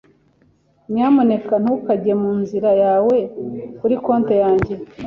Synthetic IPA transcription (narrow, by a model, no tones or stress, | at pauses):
mɲaːmo̞ne̞kan̥ukaɟemuːnziɾajaːwe̞kuɾiko̞ːnte̞jaːɲɟe̞